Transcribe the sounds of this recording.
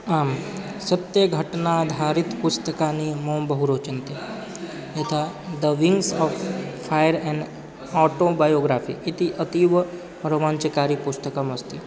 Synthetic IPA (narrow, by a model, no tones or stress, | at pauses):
aːm | sɐt̪jəɡʱɐʈnad̪ʱaːɾɪt̪pʊst̪əkaːnimɔmbɐɦuɾoːt͡ʃənt̪e | jɐt̪ʰa | d̪əʋɪ̃ŋsɔːʋpʰːajəɾɛ̃ɳɖ | ɔːʈobaːjoːɡɾaːfʰḭɪt̪iʔət̪iːʋ | ɾɐʋãːɲt͡ʃəkaːɾipʊst̪əkamɐst̪i